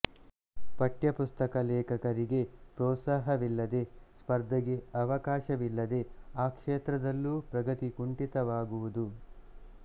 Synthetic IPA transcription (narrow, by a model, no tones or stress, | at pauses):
pɐʈjɐpust̪ɐkɐlɛːkɐkɐɾiɡe̞pɾɔːt̪saːɦɐʋilːɐd̪e̞spɐɾd̪ʱɐɡe̞ɐʋɐkaːʃɐʋilːɐd̪e̞aːkʂeːt̪ɾɐd̪ɐlːuːpɾɐɡɐt̪ikuɳʈit̪ɐʋaːɡuʋud̪u